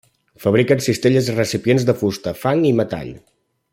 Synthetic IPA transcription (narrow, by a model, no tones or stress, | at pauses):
fəβ̞ɾikənsist̪eʎəzirəsipjenzðəfust̪əfaŋimət̪a̰ʎ